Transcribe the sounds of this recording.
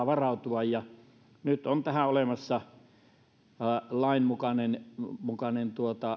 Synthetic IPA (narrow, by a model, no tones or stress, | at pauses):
ʋɑrɑˑut̪uɑjjɑ | nyt̪ont̪æhæolemɑsːɑ | lɑˑinmukɑnenmukɑnent̪uot̪ɑ